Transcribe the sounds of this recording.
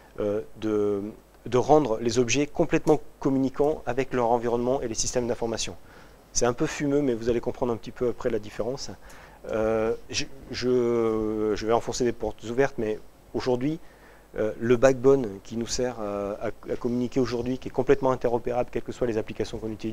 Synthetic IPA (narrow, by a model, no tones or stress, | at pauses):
ød̪ə | d̪əʁɑ̃d̪ʁlezɔbʒɛkɔ̃plɛt̪mɑ̃kɔmynikɑ̃avɛklœʁɑ̃viʁɔnmɑ̃ʔelesist̪ɛmd̪ɛ̃fɔʁmasjɔ̃ | sɛt̪ɛ̃pøfymømɛvuzalekɔ̃pχɑ̃d̪ʁɛ̃pət̪ipøapχɛlad̪ifeʁɑ̃s | øʒʒə | ʒəvɛɑ̃fɔ̃sed̪epɔʁt̪zuvɛʁt̪mɛ | oʒuʁd̪ɥi | øləbaɡ̚bɔnkʲʰinusɛʁaakɔmynikʲeoʒuʁd̪ɥikʲiɛkɔ̃plɛt̪mɑ̃ɛ̃t̪ɛʁɔpeʁablkʲɛlkəswalezaplikasjɔ̃kɔ̃nyt̪iliz